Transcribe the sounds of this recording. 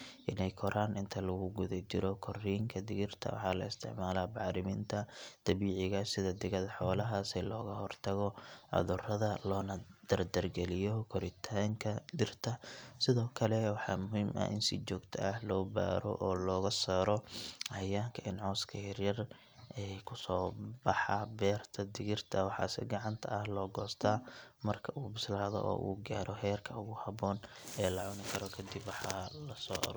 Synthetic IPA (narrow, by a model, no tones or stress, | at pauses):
ʔɪnɛjkʰɔɾʔaːnɪnt̪ʰɐlɐɣʊɡʊðɐt͡ʃɪɾɔkʰɔriːŋkʰɐd̪ɪɣɪrt̪ʰɐ̰wɑ̰ħɑːlɐ̰ɪst̪ʰɪ̰ʕmaːlaːbɑːɾɪmiːnt̪ʰɐd̪̥ɐβiːʕɪɣɐsɪðɐd̪ɪɣɐðɐħɔːlɐɦasɛlɔːɣɐhɔrt̪ʰɐɣɔʕʊ̰ðʊrɐðɐlɔːnɐd̪̥ɐrd̪ɐrɡɛlɪjɔkʰɔɾɪt̪ʰaːŋkʰɐd̪ɪrt̪ʰɐsɪðɔːkʰɐlɛwɑħɑːmʊɦiːmʔɐ̰ʔɪ̰nsɪt͡ʃɔːɡt̪ʰɐʔɐhlɔːba̰ːɾɔ̰ʔɔːlɔːɣɐsaːɾɔʔɐjaːŋkʰɐʔɪnʕɔːskʰɐjɐrjɐr | ʔɛkʰʊsɔːbɑħɑbɛːrt̪ʰɐd̪ɪɣɪrt̪ʰɐwɑħɑ̰ːsɪ̰ɡɑʕɑnt̪ʰɐːhlɔːɡɔːst̪ʰaːmɐrkʰɐʔuːbɪslaːðɔ̰ʔɔ̰ːʔṵːɡaːɾɔɦɛːrkʰɐʊɣʊhɐβɔːn | ɛːlɐʕʊnɪkʰɐɾɔkʰɐd̪ɪbwɑħɑːlɐsɔ̰ːʔɐ̰ɾuː